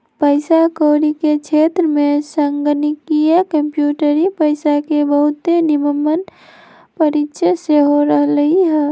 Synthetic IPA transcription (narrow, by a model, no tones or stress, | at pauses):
pəɪsakoːɾiket͡ʃʰet̪ɾəmesəŋɡənikijəkəmpjuːʈəɾipəɪsakebəɦʊt̪eniməmːən | pəɾitːʃʰəseɦoɾəɦləɦiɦɛ